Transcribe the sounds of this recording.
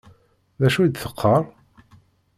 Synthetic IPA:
ðæʃud̪θəqʰːəɾˤ

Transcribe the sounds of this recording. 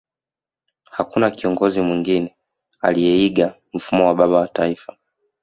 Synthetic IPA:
hakunakiɔŋɡɔzimwiŋɡinɛ | a̰lijɛiɡa | m̩fumɔwaɓaɓawataifa

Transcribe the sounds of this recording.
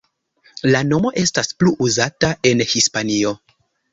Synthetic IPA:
lano̞mo̞ʔe̞staspluʔuzatae̞nhispanio̞

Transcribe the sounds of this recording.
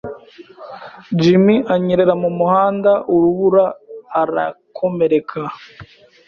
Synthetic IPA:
d͡ʒimiʔaɲeɾe̞ɾamumuhaːndaʔuɾuβuɾaːɾa̰kʰo̞me̞ɾe̞kʰa

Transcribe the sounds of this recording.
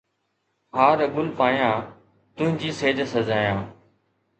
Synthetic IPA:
haːɾəɡʊlpaːjãː | t̪ʊ̃ɦɪ̃ɲd͡ʑiːseːd͡ʒsəzaːjãː

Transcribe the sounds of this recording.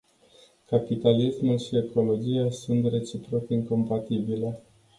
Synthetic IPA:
kapit̪alismulʃie̞ko̞lo̞d͡ʒijasunt̪re̞t͡ʃipɾokiŋko̞mpat̪ibile̞

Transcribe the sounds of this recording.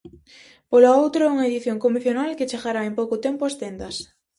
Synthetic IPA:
polaowt̪ɾauŋɐeðiθjoŋkomiθjonalket͡ʃeɣaɾaempowkʊt̪empʊast̪end̪ɐs

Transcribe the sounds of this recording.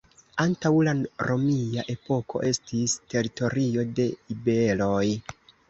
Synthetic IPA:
antawlaɾʔo̞miaʔe̞po̞kʰo̞̰ʔe̞stiste̞ɾito̞ɾio̞de̞ibe̞lo̞j

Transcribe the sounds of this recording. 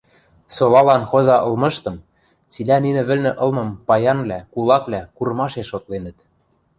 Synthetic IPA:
solɑlɑnxozɑʔɤ̆lˠmɤ̆ʃt̪ɤ̆m | t͡silæninɘ̆βɘ̆lnɘ̆ʔɤ̆lˠmɤ̆mpɑjɑnβlʲækulˠɑkβlækuɾɤmɑʃeʃːot̪lenə̆t̪

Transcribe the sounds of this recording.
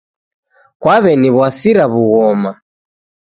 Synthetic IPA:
kwaβɛniβwasiɾaβuɣɔma

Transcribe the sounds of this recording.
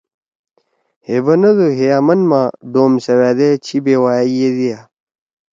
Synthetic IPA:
hebɐnɐd̪oɦejaːmɐnmaːd̪oːmsɐwaːd̪et͡ɕʰibeːwaːjijed̪ija

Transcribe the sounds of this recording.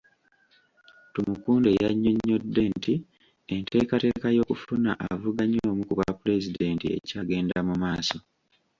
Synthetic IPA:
tumukuːndejaɲːo̞ɲːo̞dːe̞nti | e̞ntʰe̞ːkate̞ːkajo̞ːkufuna̰ʔavuɡaɲoːmukuβapule̞zide̞ntie̞̰caːɡe̞ːndamumaːso̞

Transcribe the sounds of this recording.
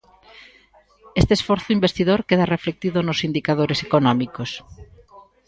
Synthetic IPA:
est̪esfɔɾθʊimbest̪iðoɾkeðareflek̚t̪iðʊnʊsind̪ikað̞oɾesekonɔmikos

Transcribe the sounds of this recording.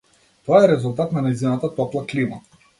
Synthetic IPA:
t̪ɔaɛɾɛzulˠt̪at̪nanajzinat̪at̪ɔplˠaklima̰

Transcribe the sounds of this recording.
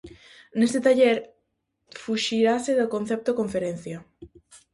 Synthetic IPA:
nest̪et̪aʎeɾ | fuʃiɾaseðakõnθɛp̚t̪okoɱfeɾen̟θja

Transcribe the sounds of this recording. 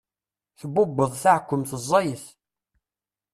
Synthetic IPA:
θəbːʊbːəðˤθaʕkʷːəmθəzˤːɑjəθ

